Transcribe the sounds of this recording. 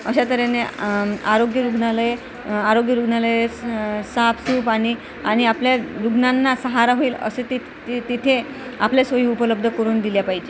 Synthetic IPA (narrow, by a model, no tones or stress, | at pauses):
əɕat̪əɾeneaɾoɡjəɾuɡnaləe | aɾoɡjəɾuɡnaləjesapsuːpaɽ̃i | aɽ̃iapljaɾuɡnanːasəɦaɾaɦoiːlə̰set̪i | t̪it̪ʰe | aplesʋəɦiːupələb̚d̪ʱəkəɾuːnd̪iljapaɦid͡ʑe